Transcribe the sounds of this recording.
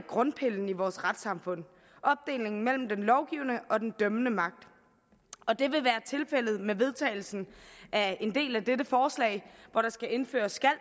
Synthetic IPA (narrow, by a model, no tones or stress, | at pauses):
ɡ̥ʁɔ̽npʰe̝ln̩iʋɒːsʁad̥sɑ̈mfɔ̽n̰ | ʔɒ̽b̥̚d̥e̝̰ːle̝ŋn̩mel̰m̩d̥enlɒʊɡ̥iːʊnəʔɒ̽d̥end̥œmənəmɑ̈ɡ̥̚d̥ | ɒ̽d̥e̝ʋe̝ʋæːɐt͡sʰe̝lfel̰ð̩ˠmeʋe̝ð̞ˠt͡sʰɛ̰ːɪl̩sn̩ʔæe̝nd̥e̝̰ːlæd̥edəfɒːslɛ̰ɪʋɒɾ̥ɑ̈sɡ̥æe̝nfø̰ːɐsːɡ̥æl̰